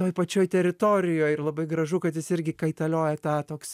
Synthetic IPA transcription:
oːjpɐt͡ʃʲoːjt̪ʲɛɾʲɪt̪oːɾʲɪjoːjɪrlˠɐbɐɪɡɾɐʒʊkɐt̪jɪsɪɾʲɡʲɪkɐɪt̪ɐlʲoːjɛt̪ɑːt̪oːksʲ

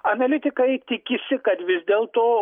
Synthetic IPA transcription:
ɐnɐlʲɪt̪ʲɪkɐjt̪ʲɪkʲɪsʲɪkɐd̪ʋʲɪzʲd̪ʲeːlˠt̪oː

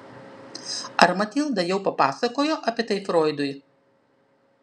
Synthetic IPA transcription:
ɐɾmɐt̪ʲiːlˠd̪ɐjɛʊpɐpɑːsɐkoːjoːʔɐpʲɛt̪ɐɪfɾoːɪd̪ʊj

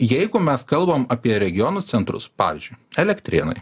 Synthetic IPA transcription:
jɛɪɡʊmʲɛskɐlˠbɐmɐpʲiɛɾʲɛɡʲɪjɔnuːt̪ʲɛnt̪ɾʊ̰spɑ̰ːʋʲɪ̰zʲd͡ʒʲʊɪɛlʲɛkt̪ʲɾʲɪ̰nɐ̰ɪ

